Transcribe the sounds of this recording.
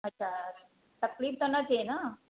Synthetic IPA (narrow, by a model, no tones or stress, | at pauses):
ətːɕʰa | t̪əkliːft̪ənat̪ʰena